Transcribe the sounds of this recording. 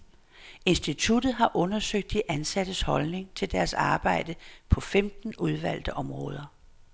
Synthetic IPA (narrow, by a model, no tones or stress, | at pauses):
e̝nsd̥it͡sʰud̥ð̞̩ˠɦɑ̈ʔɔ̽nɐsøɡ̥̚d̥iʔænsæd̥əshɒ̽lne̝ŋt͡sʰe̝ld̥æɐsɑ̈ːb̥ɑ̈ɪ̰d̥əpʰɒ̽femd̥n̩uð̞ˠʋæl̰d̥əʔɒ̽mʁɔ̽ːð̞ˠɐ